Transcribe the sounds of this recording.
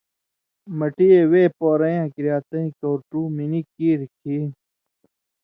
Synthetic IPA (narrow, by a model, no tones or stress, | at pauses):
mɐʈieweːpoːɾɐjãːkɾjaːt̪ɐ̃ĩkoːɾʈuːminikiːɾkʰi